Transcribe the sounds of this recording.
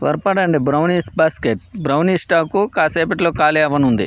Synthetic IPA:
ʋɐ̰ɾpɐɽɐɳɖibɾɐwniːsbaːskeʈ̚bɾɐwniːsʈaːkukaːseːpɐʈloːkaːliɐʋɐnund̪ḭ

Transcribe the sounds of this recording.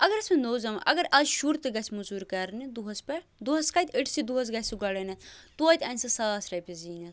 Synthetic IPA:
ɐɡɐɾɐsmɐnoːzɐmʔɐ̰ɡɐɾɐzʃuɾt̪ɨɡɐsʲmuzuɾkɐɾnid̪uɦɐspɐd̪uɦɐskɐt̪ʲəʈʰsid̪uɦɐs̬ɡɐsuɡɐɽɐnɐt̪uɐt̪ʲɐnʲsɐsaːsɾɐpʲeziːnɐ

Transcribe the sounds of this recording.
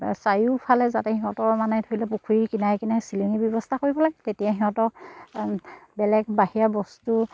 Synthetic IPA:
sajupʰalɛzatɛhiɦɔ̃tɔɹmanɛtʰoilɛpukʰuikinajkinasiliŋibjɔbɔstʰakoɹibɔlaɡɛtetijaɦiɦɔ̃tɔ | bɛlɛɡbaɦiabɔstu

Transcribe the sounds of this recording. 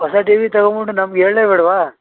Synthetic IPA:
ɦɐsaʈiʋit̪ɐɡobuʈːunɐmɡeːɭleːbɛɽʋaː

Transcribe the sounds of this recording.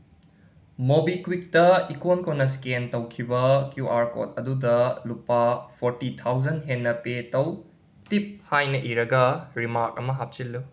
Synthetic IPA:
mobikwik̚tɐikonkonːɐskentɐwkʰibɐkjuʔaɾko̰t̚ɐdudɐlupːɐpʰoɾtitʰawd͡ʒɐnɦenːɐpetɐw | tip̚hajnɐʔiɾɐɡɐɾimaɾk̚ɐmɐɦap̚t͡ʃilːu

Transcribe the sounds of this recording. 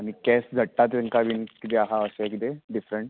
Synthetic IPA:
amikɛsd͡zʱəʈːat̪eŋkaʋiːnkit̪eaɦaəsekit̪eɖifɾeɳʈ

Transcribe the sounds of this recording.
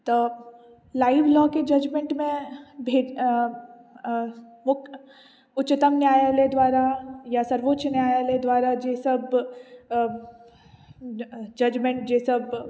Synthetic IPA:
t̪oː | laːɪʋlɔːked͡ʒɐd͡ʒmẽɳʈmẽbʱeː | mʊk | ʊtːt͡ʃɪt̪əmnjaːjaled̪waːɾajasɐɾʋotʃnjaːjaled̪waːɾad͡ʒeːsəb | d͡ʒɐd͡ʒmẽɳʈ̚d͡ʒeːsəb

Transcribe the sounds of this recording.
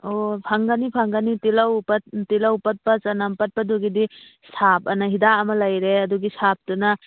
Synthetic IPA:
opʰaŋɡanipʰaŋɡanitilawpɐt̚tilawpɐt̚pɐt͡ʃɐnampɐt̚pɐduɡidi | sap̚ɐnaɦidaɐmɐlajɾeɐduɡisap̚tuna

